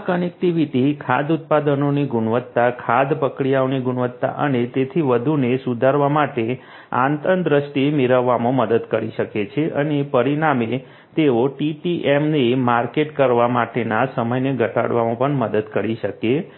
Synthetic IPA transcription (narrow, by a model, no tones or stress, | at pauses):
akənek̚ʈiʋiʈikʰad̪ʊt̪̚pad̪ənoniɡʊɳʋət̪ːakʰad̪pəkɽijaoniɡʊɳʋət̪ːa̰ʔənet̪et̪ʰiʋəd̪ʱunesud̪ʱaɾʋamaʈe | a̰nt̪ənd̪ɾəsʈimiɾəʋːamõməd̪əd̪kəɾiʃəket͡ʃʰeʔənepəɾiɳame | t̪eoʈiʈiʔemnemaɾkeʈkəɾʋamaʈenasəməjneɡʱəʈa̰ɽʋamõpəɳməd̪əd̪kəɾiʃəke